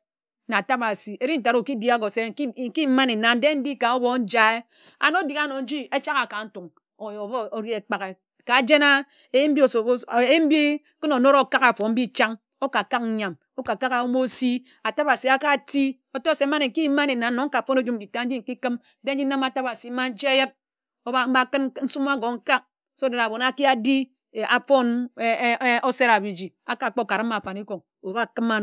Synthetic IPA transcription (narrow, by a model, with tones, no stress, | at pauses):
na˨a˨ta˦ba˨si˨e˦ɾi˦n̩˦ta˨ɾo˨ki˦di˦a˦ɡo˨se˦˨ŋ̩˦ki˦m̩˦ma˦ne˨na˨n˦de˦m̩˦di˦ka˨o˦bɔ˦n̩˦d͡ʒa˦e˦ | a̰˨no˦di˨ka˦no˨n̩˦d͡ʒi˦e˦t͡ʃa˦ɣa˨ka˨n̩˦tu˨ŋ | o˨jbo˨ɾi˦e˨k͡pa˨ɣe˨ | ka˨d͡ʒe˦na˦ | e˦m̩˦bi˦o˨˦˨m̩˦bi˦ | kɨ˦no˨no˦ɾo˦ka˦ka˨fo˨m̩˦bi˦t͡ʃa˦ŋ | o˦ka˨ka˦k̚n̩˦ɲa˨m | o˦ka˨ka˦ɣa˨wo˦mo˦si˦ | a˨ta˦ba˨si˨a˦ka˦˨ti˦ | o˨to˦˨se˨˦ma˦ne˨ŋ̩˨ki˦ma˦ne˨na˨n̩˦no˨˦ŋ̩˦ka˨fo˦no˦d͡ʒu˦m̩˨d͡ʒi˨ta˦n̩˦d͡ʒi˦ŋ̩˨ki˦kɨ˦m˦de˦n̩˦d͡ʒi˦n̩˦na˦ma˨ta˦ba˨si˨˦ma˦n̩˦t͡ʃe˦je˦t̚ | o˦a˦m̩˦ba˦kɨ˦n˦n̩˦su˦m˦a˦ɡo˨ŋ̩˦ka˦k̚ | so˦de˨ɾa˨bo˨na˦ki˦a˦di˦˨ | ʔa˨fo˦n˦ | o˦se˦ɾa˨bi˨d͡ʒi˨a˨ka˨k͡po˦˨ka˨ɾa˦ma˨fa˨ni˦ko˨ŋ | o˨ba˦˨kɨ˦ma˦n˨